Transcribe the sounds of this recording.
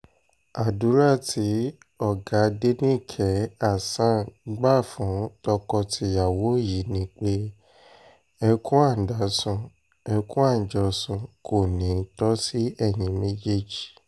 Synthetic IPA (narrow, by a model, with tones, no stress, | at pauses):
a˨du˨˦ɾa˦˨tʰi˨˦ | ɔ˦˨ɡa˨˦de˦nĩ˦˨kʰɛ˨˦a˦˨sã˦˨ɡ͡ba˦˨fũ˨˦tɔ˧kɔ˧tʰi˧˦ja˨wo˨˦ji˨˦nĩ˦k͡pe˦ | ɛ˧kũ˦a˦˨n̩˨da˨˦sũ˧˨ | ɛ˧kũ˦a˦˨n̩˨d͡ʒɔ˧sũ˧kʰo˦˨nĩ˨˦tɔ˦si˦ɛ˦˨jĩ˨˦mẽ˦d͡ʒe˦˨d͡ʒi̥˨